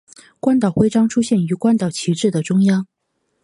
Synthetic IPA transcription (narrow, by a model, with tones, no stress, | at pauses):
kwa˥nt̪ɑ˨˩ʊxwe˥ɪʈ͡ʂɑ˥ŋʈ͡ʂʰu˥ɕjɛ˥˩ny˧˥kwa˥nt̪ɑ˨˩ʊt͡ɕʰi˧˥ʈ͡ʂɻ̩˥˩d̪ə˩ʈ͡ʂʊ˥ŋjɑ˥ŋ